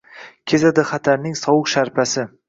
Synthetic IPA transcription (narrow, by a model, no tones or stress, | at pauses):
kʲʰezad̪ɪχat̪ʰaɾnɪŋsɒwʊqʃaɾpʰasɪ